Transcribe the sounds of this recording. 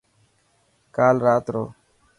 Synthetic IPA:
kaːlɾaːt̪ɾo̰ː

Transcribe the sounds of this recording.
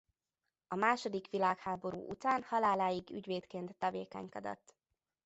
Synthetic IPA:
ɒmaːʃo̞d̪ikʋilaːkhaːbo̞ɾṵːʔut̪aːnhɒlaːlaːjiɡy̰ɟʋeːt̪keːnt̪ːɒvḛːkɛ̰ɲkɒd̪ɒ̰t̪ː

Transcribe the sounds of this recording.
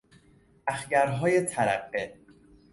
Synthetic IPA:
ʔæxɟæɾɦɒːjet̪ʰæɾæ̰ɢːe

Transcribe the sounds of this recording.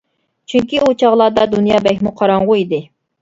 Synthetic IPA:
t͡ʃʰyŋkʲiut͡ʃʰɑʁlˠɑːd̪ɑd̪unjɑːbɛkʲmuqʰɑɾɑŋʁʊid̪ɪ

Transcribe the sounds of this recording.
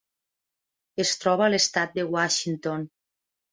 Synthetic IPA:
est̪ɾɔβaːlest̪at̪̚d̪ewaʃint̪on

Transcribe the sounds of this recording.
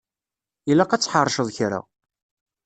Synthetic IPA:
ilːaqɑt͡sːħərˤʃəðˤçɾa̰

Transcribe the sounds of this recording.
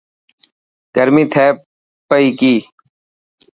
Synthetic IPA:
ɡ̥əɾmĩːt̪ʰeː | pəiːkiː

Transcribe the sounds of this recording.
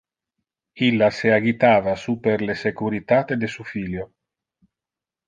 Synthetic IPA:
ilːaseaɡit̪aːvasupeɾlesekuɾit̪at̪ed̪esufiljo

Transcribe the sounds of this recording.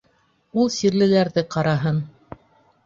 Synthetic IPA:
ulˠsiɾlɘ̆læɾðɘqɑɾɑɦɤn

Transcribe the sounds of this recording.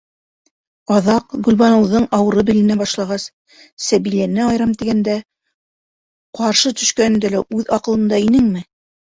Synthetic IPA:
ɑðɑqɡɵ̆lβɑnɤ̆wðɤɴɑwɤ̆ɾɤbɘ̆lɘ̆næbɑʃlˠɑʁɑs | sæβilænɘɑjɾɑmt̪iɡænd̪æ | qɑɾʃɤt̪ɵ̆ʃkænɘ̆nd̪ælæʔʉðɑqɤ̆lˠɤ̆nd̪ɑinɘŋmɘ

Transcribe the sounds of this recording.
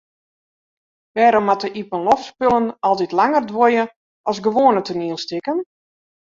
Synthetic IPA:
ʋɛːɾɔmatəʔipənlɔfspølənɔlˠtitlaŋərdwojə | ʔɔsɡəʋoːnətʰəniəlˠstɪkən

